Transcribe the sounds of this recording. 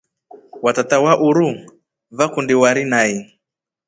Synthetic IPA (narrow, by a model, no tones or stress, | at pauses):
watatawaʔuɾu | vakundiwaɾinai